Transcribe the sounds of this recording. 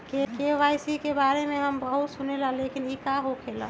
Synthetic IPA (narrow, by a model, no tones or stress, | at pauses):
kekeʋajsikebaɾemẽɦəmbəɦut̪sunelə̃lekinikaɦokʰelə̰̃